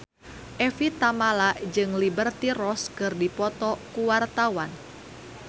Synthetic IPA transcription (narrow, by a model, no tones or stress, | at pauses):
ʔɛfit̪amalad͡ʒɨŋlibərt̪iɾɔskɨrdipɔt̪ɔkuwart̪awan